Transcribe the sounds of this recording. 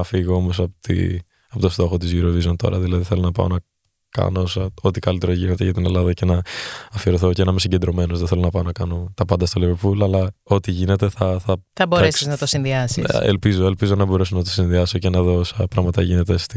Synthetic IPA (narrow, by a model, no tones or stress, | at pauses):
ɐfiɣoomo̞sɐpot̪ḭ | ɐpot̪o̞st̪o̞xot̪izʝuɾovizont̪o̞̰ɾɐðilɐðiθe̞lo̞nɐpɐ̰o̰nɐ | kɐ̰noosɐo̞t̪ikɐlit̪e̞ɾɐʝine̞t̪eʝɐt̪ine̞lɐðɐce̞nɐːfiɾoθo̞cenɐmesiɲɟe̞nd̪ɾo̞me̞nozðeθelo̞nɐpɐonɐkɐno̞t̪ɐpɐnd̪ɐst̪olevepulɐlɐo̞t̪iʝine̞t̪e̞θɐθɐθɐboɾɾesiznɐt̪osinðiɐsisḛlpizoe̞lpizo̞nɐbo̞ɾe̞sonɐt̪o̥sinðiɐso̞cenɐðo̞osɐpɾɐɣmɐt̪ɐ̰ʝine̞t̪est̪i